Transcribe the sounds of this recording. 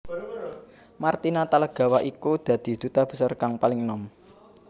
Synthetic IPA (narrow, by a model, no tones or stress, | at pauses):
mart̪inat̪aləɡ̥a̤waʔikud̪̥ä̤d̪̥i̤d̪̥ṳt̪ab̥ə̤sɔrkaŋpalɪŋnɔm